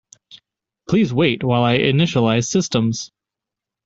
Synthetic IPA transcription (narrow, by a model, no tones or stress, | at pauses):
pʰl̥izweɪt̚waɪlˠaɪʔɨnɪʃəlaɪz̥sɪstə̃mz̥